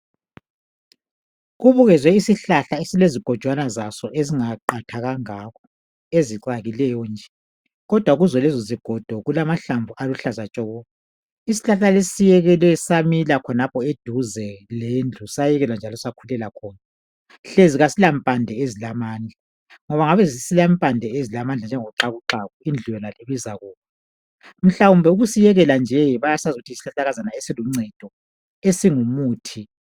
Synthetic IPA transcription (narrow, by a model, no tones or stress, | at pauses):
ɣuβuɣɛzwɛisiɬaɬaesileziɡ̥ʱɔd̥ʒ̥ʱwanazasɔʔeziŋaǃatʰaɣaŋakʰɔ | eziǀaɣilɛjɔnd͡ʒʱɛ | ɣɔd̥ʱwaɣuzɔlɛzɔziɡ̥ʱɔd̥ʱɔɣulamaɬaɱvʱuʔaluɬazat͡ʃʼɔɣɔ | isi̥ɬaɬalesijɛɣɛlwɛsamilakʰɔnapʰɔed̥ʱuzɛlend͡ɮʱusajɛɣɛland͡ʒʱalɔsakʰulɛlakʰɔːna | ɬeziɣasilampʼandʱɛezilamaːnd͡ɮʱa | ŋɔβaŋaβɛzisilampʼandʱɛezilamand͡ɮʱand͡ʒʱɛŋɔǁaɣuǁaɣɔind͡ɮʱujɛnaleβizaɣɔːkɛ | m̩ɬawumbʱɛuɣusijɛɣɛland͡ʒʱɛβajasazuɣutʰiisi̥ɬaɬaɣazanaesiluŋ͡ǀɛd̥ʱɔ | esiŋumuːtʰi